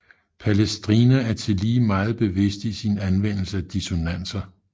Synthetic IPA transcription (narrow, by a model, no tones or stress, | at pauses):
pʰælesd̥ʁiːnææɐt͡sʰe̝liːmɑ̈ːð̞̩ˠb̥e̝ʋe̝sd̥isinænʋen̰l̩səæd̥iso̝næn̰sɐ